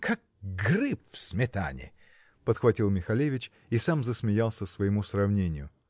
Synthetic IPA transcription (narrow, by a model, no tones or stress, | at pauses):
kʰak̚ɡrɨpfsʲmʲɪt̪a̰nʲɪ̰ | pət̪xvɐtʲilˠmʲɪxɐlʲevʲɪt͡ɕ | isamzəsmʲɪjalˠsʲəsvəjɪmusrɐvnʲenʲɪjʊ